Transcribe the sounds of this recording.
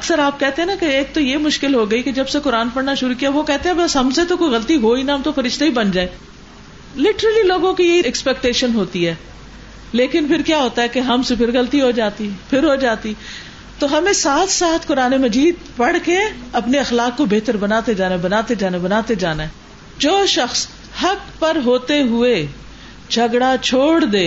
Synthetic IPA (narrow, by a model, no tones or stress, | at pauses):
ɐksəɾaːp̚kɛɦt̪ẽɦɛ̃nakeeːk̚t̪ojemʊʃkɪlɦoɡɐiked͡ʒɐbsekʊɾaːnpɐɽnaʃʊɾukiaʋokɛɦt̪eɦɛ̃bɐsɦɐmset̪okoiɣɐlət̪iɦoːinaɦɐmt̪ofɐɾɪʃt̪eibɐnd͡ʒaːẽ | lɪʈəɾəliloːɡõkijɐɦiɛkspɛːk̚ʈeːʃənɦoːt̪iɦɛː | leːkɪnpʰɪɾkjaːɦoːt̪aɦɛkeɦɐmsepʰɪɾɣɐlt̪iɦod͡ʒaːt̪ipʰɪɾɦoːd͡ʒaːt̪i | t̪oɦɐmẽsaːt̪ʰsaːt̪ʰkʊɾaːnemɐd͡ʒiːd̪̚pɐɽkeɐpneɐxlaːkːobeːt̪əɾbɐnaːt̪ed͡ʒaːnabɐnaːt̪ed͡ʒaːnabɐnaːt̪ed͡ʒaːnaɛ | d͡ʒoːʃɐxs | hɐkpɐɾɦoːt̪eɦʊe | d͡ʒʰʱɐɡɽat͡ʃʰoːɽd̪eː